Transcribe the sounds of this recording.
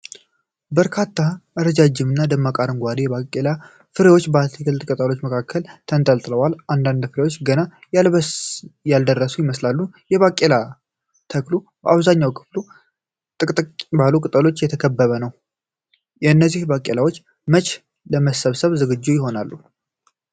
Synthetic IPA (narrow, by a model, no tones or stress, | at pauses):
bəɾkʰat̪ʰːaʔəɾəd͡ʒad͡ʒːɪmɨnːad̪əmːakʼaɾɨŋɡʷad̪ijɛβakʼːela | fɨɾewo̞t͡ʃːbəat̪ʰikɨlt̪ɨkʼɨt̪ʼəlo̞t͡ʃːməkʰakʰːəlt̪ʰənt̪ʼəlt̪ʼɨləwalʔand̪and̪fɨɾewo̞t͡ʃːɡənaj | jald̪ərːəsujɪməslalːu | jɛβakʼːela | t̪ʰəklu | bəaβzaɲːawkʰɨ̥flu | t̪ʼɨk̪ʼbalukʼɨt̪ʼəlo̞t͡ʃːjɛt̪ʰəkʰəbːəβənəw | jɛɨnːəzːihbakʼːelawo̞t͡ʃː | mət͡ʃʼ | ləməsəβsəβzɨɡɨd͡ʒːujɪɦo̞nalːu